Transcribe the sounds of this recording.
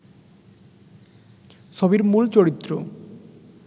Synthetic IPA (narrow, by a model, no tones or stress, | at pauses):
ʃɔbiɾmult͡ɕoɽit̪ːɾo